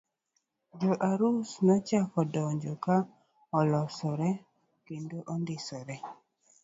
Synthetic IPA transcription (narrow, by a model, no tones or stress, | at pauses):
d͡ʒoʔaɾusnɔt͡ʃakɔdɔɲd͡ʒoka | ɔlɔsɔɾɛ | kendoʔɔnd̪ɪsɔɾɛ